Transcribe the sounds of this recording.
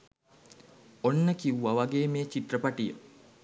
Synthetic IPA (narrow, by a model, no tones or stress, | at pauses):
onːəkiuʋɐʋɐɡeːmeːt͡ʃit̪rəpaʈijə